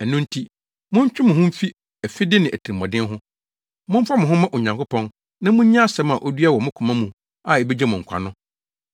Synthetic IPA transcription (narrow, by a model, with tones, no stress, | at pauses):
æ˨nũ˦n̩tʰi˦ | mʊ̃˦ɲ̩˦t͡ɕᶣɪ˦mʊ̃˨hʊ̃˦m̩˦fi˦ | ɛ˨fi˦dɪ˦nɪ̃˨æ˨tʰi˨ɾmɔ̃˨dɪ̃˦ɦʊ̃˦ | mʊ̃˦m̩˦fa˦mʊ̃˨ɦʊ̃˦mã˦ʔo˨ɲã˨ŋkʊ˦pʰɔ̃˦n | nã˦mʊ̃˦ɲ˦ɲã˦a˦sɛ˦ma˨ʔo˦dɥa˦wɔ˨mʊ̃˦kʰʊ̃˨mã˦mũ˨ | a˨e˨be˦d͡ʑɛ˦mʊ̃˨ŋ̩˨kʰʷa̰˨nʊ̃˦